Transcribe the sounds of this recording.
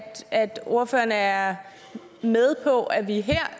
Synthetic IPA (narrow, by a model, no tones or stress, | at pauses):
æd̥o̝ɐfø̰ːɐnəæɐ | með̞ˠpʰɒ̽ʔæʋiɦeɐ̰